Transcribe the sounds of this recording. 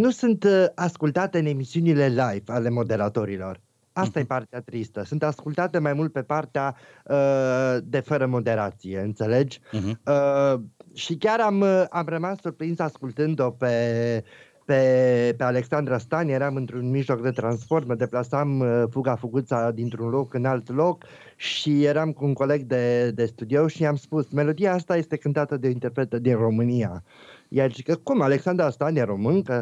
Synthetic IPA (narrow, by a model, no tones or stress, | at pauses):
nusunt̪askult̪at̪eɨne̞misiunile̞lajvale̞mo̞d̪e̞ɾat̪o̞ɾilo̞r | ast̪ajepart̪eat̪ɾist̪əsunt̪askult̪at̪e̞majmult̪̚pe̞part̪ea | əd̪e̞fəɾəmo̞d̪e̞ɾat̪sije̞ɨnt̪se̞le̞d͡ʒə | ʃikʲaɾamamrəmasːurpɾinzaskult̪ɨnd̪o̞pe̞ | pepe̞ale̞ksand̪ɾast̪anjeɾamɨnt̪ɾunmiʒlo̞kd̪e̞t̪ɾanspo̞rt̪məd̪e̞plasamfuɡafuɡut̪sad̪int̪ɾunlo̞kɨnalt̪lo̞k | ʃijeɾamkuːŋko̞le̞ɡd̪e̞d̪e̞st̪ud̪io̞ʃiamspusme̞lo̞d̪ijaast̪aje̞st̪e̞kɨnt̪at̪əd̪eoint̪erpɾe̞t̪əd̪inro̞mɨnia | jat͡ʃikəkumale̞ksand̪ɾast̪anjeɾo̞mɨŋkə